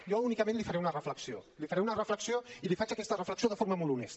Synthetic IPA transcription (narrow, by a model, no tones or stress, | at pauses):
jɔunikəmẽnlifəɾɛunərəfləksiolifəɾɛunərəfləksioilifat͡ʃəkɛst̪ərəfləksioðəfoɾməmolˠt̪unɛst̪ə